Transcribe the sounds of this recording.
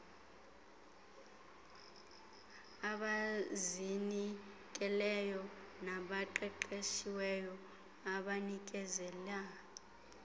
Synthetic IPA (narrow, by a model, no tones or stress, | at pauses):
aɓazini | kʼɛlɛjɔnaɓaǃɛǃeʃiwɛjɔ | aɓanik̬ʼɛzɛla